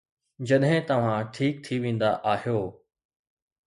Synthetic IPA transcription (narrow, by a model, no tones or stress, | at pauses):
d͡ʑɐɗɦɪ̃t̪ɐʋ̤ãʈʰiːk̚t̪ʰiʋẽːn̆d̪a̰ʔaːɦijoː